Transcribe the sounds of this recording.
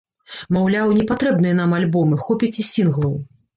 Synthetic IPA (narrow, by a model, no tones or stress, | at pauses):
mawlʲawnʲɛpat̪ɾɛbnɨjɛnamalʲbɔmɨxɔpʲit͡sʲisʲinɣlˠɐw